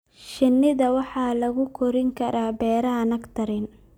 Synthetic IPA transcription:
ʃɪnːɪðɐwɑħɑːlɐɣʊkʰɔɾɪŋkʰɐɾaːbɛːɾɐɦɐnɐɡt̪ʰɐɾɪn

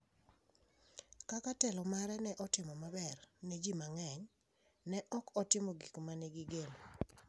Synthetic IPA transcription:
kakatɛlɔmaɾɛnɛʔɔtɪmɔmabɛrned͡ʒimaŋɛɲ | nɛʔɔkɔtɪmɔɡikmaneɡɪɡelo

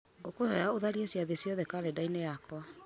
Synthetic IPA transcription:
okohɛɾaoðaɾiesjaðesjɔðɛkaɾedainejakɔa

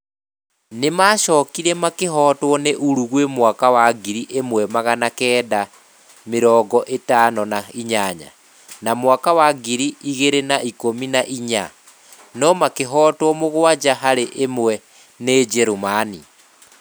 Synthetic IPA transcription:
nemaːʃɔːkiɾɛmakeɦɔːtwɔneʔuɾuɣwemwakawaɡiɾiʔemwɛmaɣanakɛːda | meɾɔɡɔʔetaːnɔnaiɲaɲa̰ | namwakawaɡiɾiiɣeɾenaikominaʔiɲa̰ | nɔmakeɦɔːtwɔmoɣwad͡ʒaɦaɾeʔemwɛ | neːd͡ʒɛɾomani

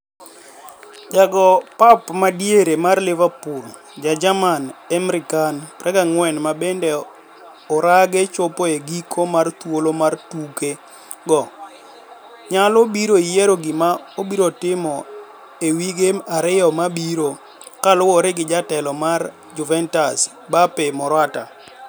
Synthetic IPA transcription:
d͡ʒaɡɔpapmadjeɾemarlɪvapʊl | d͡ʒad͡ʒamanɛmɾɪkanpɾʔɛɡaŋwɛnmabendɛ | ɔɾaɡet͡ʃopoeɡikʰomart̪wolomartuke | ɡɔ | ɲalobiɾoijeɾoɡɪmaobiɾotɪmɔ | ewiɡeaɾɪɔmabiɾo | kalʊwɔɾɪɡɪd͡ʒatɛlɔmar | d͡ʒʊvɛntas | bapemɔɾwata̰

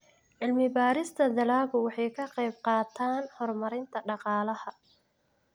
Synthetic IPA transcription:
ʕɪlmɪbaːɾɪst̪ʰɐd̪ɐlaːɣʊwɑħɑjkʰɐqɛjbqɑːt̪ʰaːnhɔrmɐɾɪnt̪ʰɐɖɑqɑːlɐhɐ

